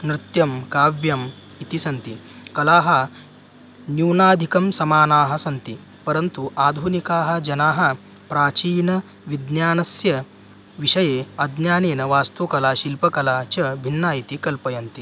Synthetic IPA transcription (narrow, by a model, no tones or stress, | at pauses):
nɾɪt̪jɐmkaːʋjɐm | it̪isɐnt̪i | kɐlaːɦɐ̆ | njuːnaːd̪ʱikɐmsɐmaːnaːɦɐ̆sɐnt̪i | pɐɾɐnt̪uʔaːd̪ʱunikaːɦɐ̆d͡ʒɐnaːɦɐ̆ | pɾaːt͡ʃiːnɐ | ʋid̪njaːnɐsjɐ | ʋiʃɐjeːɐd̪njaːneːnɐʋaːst̪ukɐlaːʃilpɐkɐlaːt͡ʃɐbʱinːaːit̪ikɐlpɐjɐnt̪i